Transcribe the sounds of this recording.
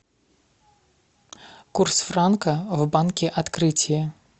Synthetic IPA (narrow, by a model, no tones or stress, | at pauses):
kursfrankɐwbankʲiʔat̪kɾɨt͡sʲjɛ